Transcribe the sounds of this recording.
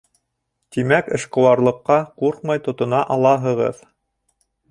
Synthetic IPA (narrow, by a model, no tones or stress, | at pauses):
t̪imækɘ̆ʃqŏwɑɾlˠɤ̆qːɑquɾqmɑjt̪ŏt̪ŏnɑʔɑlˠɑɦɤ̆ʁɤ̰ð